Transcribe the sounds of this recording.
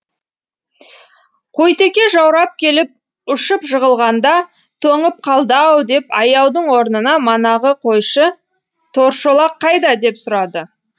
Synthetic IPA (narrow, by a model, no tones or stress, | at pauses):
qʰo̞jt̪e̞kʲe̞ʒɑwɾɑp̚kʲʰe̞lɪp̚ | ʊʃəpʒəʁəlˠʁɑnd̪ɑ | t̪ʰɵŋəp̚qʰɑlˠd̪ɑwd̪e̞pɑ̰jɑwd̪əɴwo̞ɾnənɑmɑnɑʁəqʰo̞jʃə | t̪ʰo̞ɾʃolˠɑqʰːɑjd̪ɑd̪e̞psʊɾɑd̪ə